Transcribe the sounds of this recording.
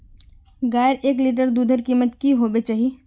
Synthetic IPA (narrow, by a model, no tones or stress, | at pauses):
ɡaːjəɾʔeːkliːʈ̬əɾd̪uːd̪ʱəɾkiːmət̪kiɦoːbet͡ʃaːɦie